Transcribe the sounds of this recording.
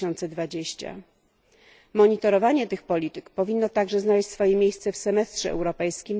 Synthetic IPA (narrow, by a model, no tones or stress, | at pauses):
ɔnt̪sɛd̪vad͡ʑeɕt͡ɕa̰ | mɔɲit̪ɔɾɔvaɲɛt̪ɘxpɔlʲit̪ɘkpɔvʲinːɔt̪aɡʐɛznalɛɕt͡ɕʲsfɔjemʲjejst̪sɛfsɛmɛst̪ʂɛɛ̰wɾɔpɛjskʲim